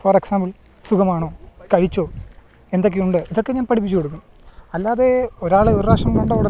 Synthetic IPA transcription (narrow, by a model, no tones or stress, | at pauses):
fɐreksaːmbɐl | sukɐmaːɳo̞ːkɐɻit͡ɕːo̞ː | e̞nd̪o̞k̬ːejuɳɖɨiðo̞kːe̞ɲaːnpɐʈʰipːit͡ɕːukoɽuk̬ːɐ | ɐlːaːðeoɾaːɭɨurraːʂɐmnoɳɖoːʋɨɽɐ